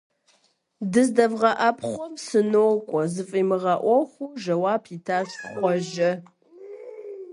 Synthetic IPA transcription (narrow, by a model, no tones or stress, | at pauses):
dɨzdɐvʁɐʔɐpχʷɔmsɨnoːkʷʼɔzɨfʼiːmɨʁɐʔʷɔxʷuʒɐwaːpʰiːtʰaːsχʷɔʒɐ